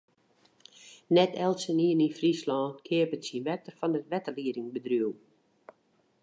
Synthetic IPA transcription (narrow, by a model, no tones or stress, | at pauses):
nɛtʰɛlˠsəniəninfrislɔːnkʰɪəpətsinʋɛk̚tərfɔndətʋɛtəliəɾɪŋbədryəw